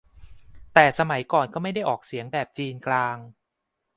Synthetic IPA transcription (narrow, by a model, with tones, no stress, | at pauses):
t̪ɛː˨˩sa˧ma˩˦jkɔː˨˩nkɔː˥˩ma˥˩jda˥˩jʔɔː˨˩k̚si˨˩˦əŋbɛː˨˩p̚t͡ɕiː˧nklaː˧ŋ